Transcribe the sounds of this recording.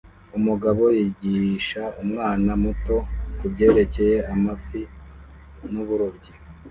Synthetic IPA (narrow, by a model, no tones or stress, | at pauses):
umuɡaβo̞jiɟiʃaumŋaːnamuto̞kubɟe̞ːɾe̞ce̞je̞amafi | nuβuɾubɟi